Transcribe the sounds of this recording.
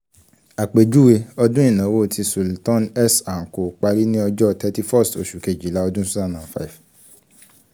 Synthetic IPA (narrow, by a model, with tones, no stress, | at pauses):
a˨k͡pe˨d͡ʒu˨˦we˧ɔ˧dũ˦ĩ˦˨nã˨˦wo˦˨tʰi˧su˨ltɔ̃˦nɛ˦sa˨ŋ̩˨ko˨k͡pa˧ɾi˦nĩ˦ɔ˧d͡ʒɔ˦tɛ˧ti˧fɔ˦˨sto˨ʃu˨ke˨d͡ʒi˨la˦ɔ˧dũ˦su˦zã˦˨nã˨fa̰˦i˨f